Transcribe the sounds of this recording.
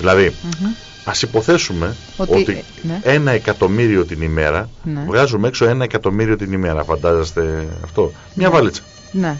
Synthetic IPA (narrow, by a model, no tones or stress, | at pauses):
ðilɐði | ɐsipo̞θe̞sume̞ | oto̞t̪i | e̞nɐe̞kɐt̪o̞miɾio̞t̪inime̞ɾɐvɣɐzumekso̞e̞nɐekɐt̪o̞miɾio̞t̪inime̞ɾɐfɐnd̪ɐzest̪e̞ɐ̰ft̪o̞ | mɲɐvɐlit͡sɐ̥ | ne